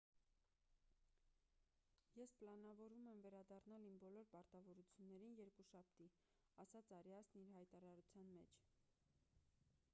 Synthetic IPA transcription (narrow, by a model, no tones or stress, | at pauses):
jɛspəlɑnɑvɔɾumɛmvɛɾɑd̪ɑrnɑlimbɔlɔɾpɑɾt̪ɑvɔɾut͡sʰjunːɛɾinjɛɾkuʃɑp̚ʰt̪i | ɑsɑt͡sɑɾjɑsniɾɦɑjt̪ɑɾɑɾut͡sʰjɑnmɛt͡ʃʰ